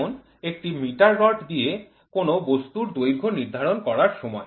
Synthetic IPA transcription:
on | ek̚ʈimiʈaɾːɔʈd̪ije | konobost̪uɾd̪ojɡʱoniɾd̪ʱaɾonkɔɾaɾʃɔmɔe

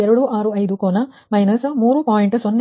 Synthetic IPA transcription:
eɾɐɽuʔaːɾuɐjd̪ukoːnɐ | mɐjnɐsmuːɾupaːjiɳʈsonː

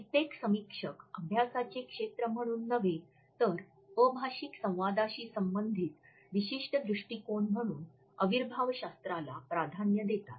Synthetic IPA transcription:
it̪eksəmikʂəkəbʱjasat͡sekʂet̪ɾəm̤əɽ̃uːnːəʋe | t̪əɾ | əbʱaɕiksə̃w̃ʋad̪aɕiːsəmbənd̪ʱiːt̪ | ʋiɕiʂʈəd̪ɾuʂʈikoɳm̤əɽ̃uːn | əʋiɾbʱaʋɕast̪ɾalapɾad̪ʱanjəd̪et̪at̪

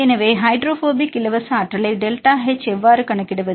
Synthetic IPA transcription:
ɛnɐʋeːɦɐɪɖɾoːfoːbikːɪlɐʋɐsaːʈrɐlɐɪɖelʈaːɦet͡ʃːɛʋːaːɾɯkɐɳɐkːɪɽɐʋɐð

